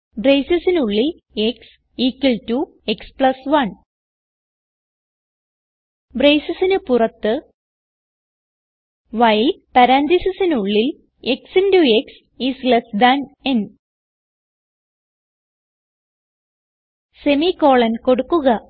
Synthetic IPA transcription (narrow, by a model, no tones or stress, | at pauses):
brejsɐsinuɭːil | eks | iːkːwɐltu | ekspɭɐsʋɐn | brejsɐsinɨpurɐt̪ːɨ | ʋɐjlpɐɾaːnd̪isisinuɭːil | eksindueks | islesd̪ɐnen | se̞miko̞ːɭɐnko̞ɽukːuɣɐ